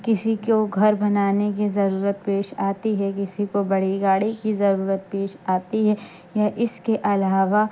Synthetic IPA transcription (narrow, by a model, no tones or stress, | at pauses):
kɪsikoɡʱɐɾbɐnaːnek̬izɐɾuːɾət̪̚peːʃaːt̪iɦɛkɪsikobɐɽ̤iɡaːɽikizɐɾuːɾət̪̚peːʃaːt̪iɦɛ | jaʔɪskeʔɐlaːʋa